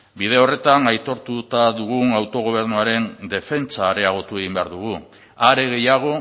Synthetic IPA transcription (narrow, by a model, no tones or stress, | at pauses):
bið̞e̞o̞re̞t̪anajt̪o̞ɾt̪ut̪aðuɣ̞uawt̪o̞ɣ̞o̞β̞e̞ɾnuaɾe̞nd̪e̞fe̞nt͡saːɾe̞aɣ̞o̞t̪ue̞ɣimbe̞a̰ɾðuɣ̞u | aɾe̞ɣe̞jaɣ̞o̞